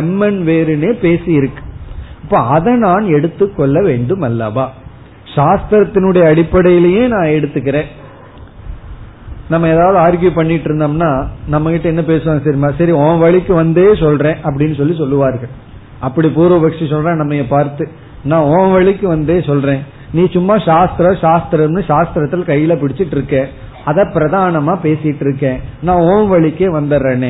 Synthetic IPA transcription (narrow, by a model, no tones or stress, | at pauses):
ɛmːɐnʋeːɾɯneːpeːsɪjɪɾɯkːɯ̥ɐpːoːɐðɐ̃naːnɛɽɯt̪ːɯkːɔɭːɐʋeːɳɖɯmɐlːaːʋaː | ʂaːst̪ɾɐt̪ːɪnɯɽɐjɐɐɽɪpːɐɽɐjɪlɐjeːnãːɛɽɯt̪ːɯkːɪɾẽː | nɐmːɐeːðaːʋɐðɯaːɾɡjupɐɳːɪʈːɪɾɯnd̪aːmnaːnɐmːɐkɪʈːɐɛnːɐpeːsɯʋaːŋɡɐsɐɾmaːsɐɾiõːnʋɐɭɪkːɯʋɐnd̪eːsɔlɾẽːʔɐp̬ːɐɽɪnːɯsɔlːisɔlːɯʋaːɾɣɐɭ | ɐpːɐɽipuːɾoːʋɐkʂisɔlɾẽːnɐmːɐjɐpaːɾt̪ɯ | nãːoːʋɐɭɪkːɯʋɐnd̪eːsɔlɾẽː | nĩːsʊmːaːʃaːst̪ɪɾɐʃaːst̪ɪɾɐmnɯʃaːst̪ɾɐt̪ːɪlkɐjːɪlɐpɪɽɪt͡ʃːɪʈːɪɾɯkːẽː | ɐðɐpɪɾɐðaːɳɐmaːpeːsɪjɪʈːɪɾɯkːẽːnãːoːnʋɐɭɪkːeːʋɐnd̪ɐɾɐnẽː